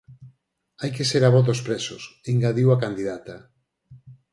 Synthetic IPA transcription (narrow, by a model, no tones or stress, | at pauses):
ajkeseɾaβ̞ɔðospɾesosiŋɡaðiwakand̪iðat̪a